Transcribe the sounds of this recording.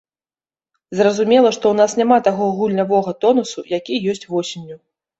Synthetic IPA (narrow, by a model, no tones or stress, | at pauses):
zrɐzumʲɛlˠɐʂt̪ɔwnasnʲamat̪aɣɔɣulʲnʲavɔɣɐt̪ɔnusujakʲijɔsʲt͡sʲvɔsʲinʲːu